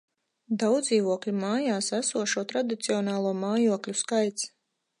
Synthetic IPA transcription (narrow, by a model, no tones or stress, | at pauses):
d̪awd̪ziːvuɔklʲimaːjaːsæsuɔʃuɔt̪ɾad̪it̪siɔnaːlˠuɔmaːjuɔklʲuskajt̪s